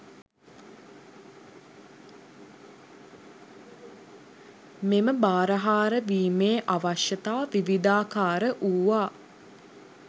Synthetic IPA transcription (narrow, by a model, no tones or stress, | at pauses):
meməbaːɾəɦaːɾəʋiːmeːʔaʋaʃjɐt̪aːʋiʋid̪aːkaːɾəʔuːʋaː